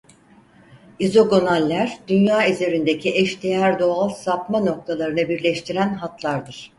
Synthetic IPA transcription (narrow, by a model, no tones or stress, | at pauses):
izo̞ɡo̞nalʲːæɾd̪ynjaːezeɾind̪ecʰiʔɛʃd̪ejæɾd̪o̞alˠsapmano̞k̚t̪ʰalˠaɾɯnɯbiɾlʲɛʃt̪ʰiɾænɦat̪ʰlˠaɾd̪ɯɾ̥